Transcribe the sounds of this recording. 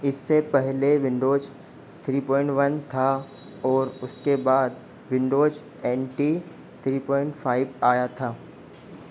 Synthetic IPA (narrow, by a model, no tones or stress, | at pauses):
ɪsːepɛɦleʋɪ̃ɳɖoːd͡ʒ | t̪ʰɾiːpɔːɪ̃ɳʈʋɐnt̪ʰa | ɔːɾʊskebaːd̪ | ʋɪ̃ɳɖoːd͡ʒ | ɛːnʈi | t̪ʰɾiːpɔːɪ̃ɳʈfʰaːɪbaːjat̪ʰaː